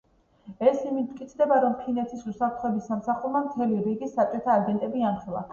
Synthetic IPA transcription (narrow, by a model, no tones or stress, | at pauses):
ɛsimit̪̚kʼit̪sʰd̪ɛbaɾɔmkʰinɛt̪ʰisusapɾt̪χɔɛbisːamsaχuɾˠmamt̪ʰɛliɾiɡisːat͡ʃʼɔt̪ʰaːɡɛnt̪ʼɛbianχɛlˠa̰